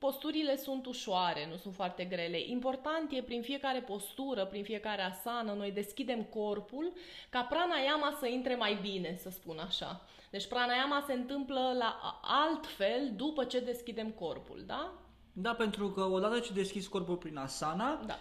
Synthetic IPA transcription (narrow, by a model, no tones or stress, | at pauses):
po̞st̪uɾile̞sunt̪uʃoaɾe̞nusunt̪foart̪e̞ɡɾe̞le̞ʔimpo̞rt̪ant̪je̞pɾinfije̞kaɾe̞po̞st̪uɾəpɾinfie̞kaɾe̞asanəno̞jd̪e̞skʲid̪e̞mko̞rpulkapɾanajamasəint̪ɾe̞majbine̞səspunaʃa̰ | d̪e̞t͡ʃʲpɾanajamase̞ɨnt̪ɨmpləlaʔalt̪fe̞ld̪upət͡ʃe̞d̪e̞skʲid̪e̞mko̞rpṵld̪a | d̪ape̞nt̪ɾukəo̞d̪at̪ət͡ʃed̪e̞skʲisko̞rpulpɾinasanad̪a̰